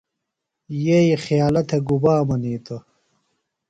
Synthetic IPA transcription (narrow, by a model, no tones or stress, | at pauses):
jejixjaːlɐt̪ʰeɡubaːmɐniːt̪ɐ